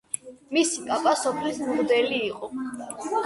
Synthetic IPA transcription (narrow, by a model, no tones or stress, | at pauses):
misikʼapʼasɔpʰlismʁd̪ɛliːqʼɔ